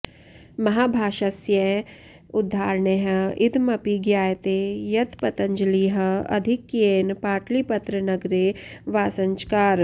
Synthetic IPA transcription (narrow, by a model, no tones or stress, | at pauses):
mɐɦaːbʱaːʃɐsjɐ | ʊd̪ʱːaːɾɳeɦɐɪd̪mɐpiɡjaːjt̪ejɐt̪pɐt̪ɐ̃ɲd͡ʒəliɦɐɐ̰d̪ʱɪkːjeːnpaːʈlipɐt̪ɾənɐɡɾeʋaːsɐ̃ɲt͡ʃkaːɾ